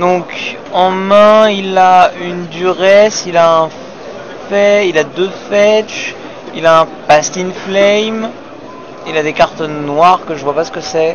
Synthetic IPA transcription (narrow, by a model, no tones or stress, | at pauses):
d̪ɔ̃k | ɑ̃mɛ̃ilaynd̪yʁɛsilaɛ̃ | fɛilad̪øfɛʃ | ilaɛ̃past̪inflɛjm | ilad̪ekaʁt̪ɔnːwaʁkəʒəvwapasə̥kəsɛ